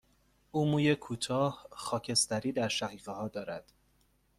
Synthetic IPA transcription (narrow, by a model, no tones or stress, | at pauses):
ʔuːmuːjekʰuːt̪ʰɒːhxɒːcʰe̞st̪æɾiːd̪æɾʃæɣiːɢehɒːd̪ɒːɾæd̪̥